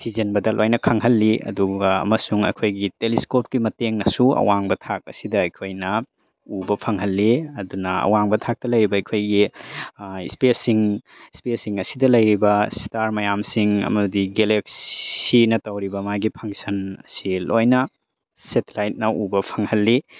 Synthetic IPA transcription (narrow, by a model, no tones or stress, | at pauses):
tʰizenbɐdɐlʔojnɐkʰɐŋɦɐlːiɐ̰duɡɐɐ̰mɐsuŋɐ̰jkʰojɡiteliskop̚kimɐteŋnɐsuɐ̰waŋbɐtʰak̚ɐsidɐɐjkʰojnɐ | ubɐpʰɐŋɦɐlːiɐdunɐɐ̰waŋbɐtʰak̚tɐlɐjɾibɐɐjkʰojɡi | ispesiŋ | spesiŋɐsidɐlɐjɾibɐstaɾmɐjamsiŋɐ̰mɐdiɡeleksinɐtɐwɾibɐmajɡipʰɐŋsɐnɐsilojnɐ | setelajt̚nɐubɐpʰɐŋhɐlːi